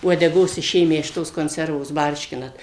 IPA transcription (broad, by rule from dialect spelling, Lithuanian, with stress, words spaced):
uɔdʲɛˈɡoːs ɪˈʃʲeːmʲæː ɪʃ ˈtoːs koːnʲˈsʲɛrʋoːs ˈbɐrʲʃʲkʲɪnɐt